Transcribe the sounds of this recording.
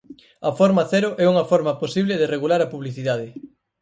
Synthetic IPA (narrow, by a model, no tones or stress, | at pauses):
ɐfɔɾmɐθɛɾʊʔɛuŋɐfɔɾmɐposiβlɪðereɣulaɾɐpuβliθiðaðɪ